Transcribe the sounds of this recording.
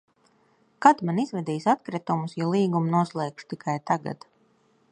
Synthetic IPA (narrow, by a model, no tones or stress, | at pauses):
kat̪manizvɛd̪iːsat̪kɾɛt̪umusjɔlˠiːɡumnuɔslˠɛːkʃt̪ikʰajt̪aɡa̰d̪